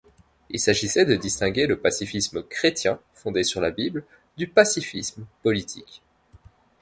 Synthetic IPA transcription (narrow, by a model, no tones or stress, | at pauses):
ilsaʒisɛd̪əd̪ist̪ɛ̃ɡʲeləpasifisməkχet̪jɛ̃fɔ̃d̪esyʁlabibl | d̪ypasifismpɔlit̪ʰḭk